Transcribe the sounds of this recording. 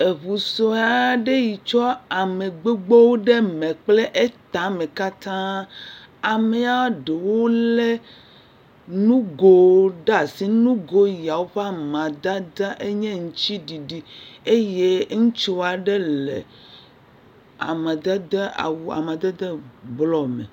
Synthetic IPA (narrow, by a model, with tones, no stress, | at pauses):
e˨βu˨so˦a˨ɖe˦ji˨t͡ʃɔ˦a˨mẽ˨ɡ͡be˦ɡ͡bo˦wo˦ɖe˦mẽ˨k͡ple˦ʔe˦t̪a˨mẽ˨ka˦t̪ã˦ | a˨me˦a˦ɖe˨wo˦lɛ˦ | nũ˦ɡo˦ɖa˦˨si˦nũ˦ɡo˦ja˨wo˦ɸa˦mã˨d̪a˦d̪a˦ʔe˦ɲɛ̃˦ŋũ˨t͡ɕi˦ɖi˨ɖi˨e˦je˦ŋũ˦t͡ʃi˦wa˨ɖe˦lḛ˨ | a̰˨mã˨d̪a˦d̪e˦a̰˨wu˨a̰˨mã˨d̪e˦d̪e˦blɔ˨mḛ˨